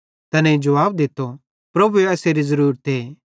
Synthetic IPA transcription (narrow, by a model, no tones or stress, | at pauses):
t̪ɐnɛ̃id͡ʒɐʋaːb̚d̪ɪt̪ːo | pɾɐbueɛːseɾizɐɾuːɾət̪eː